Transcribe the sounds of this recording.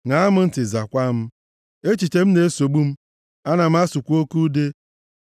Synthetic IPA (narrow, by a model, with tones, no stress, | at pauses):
ŋa˨˦a˦mʊ˦n̩˦tɪ˨za˨kʷa˦m̩˦ | e˦t͡ʃi˨te˨m̩˦ne˨e˦so˨ɡ͡bu˦m̩˦ | a˦na˨m̩˦a˦su˨kʷo˦ku˦de˦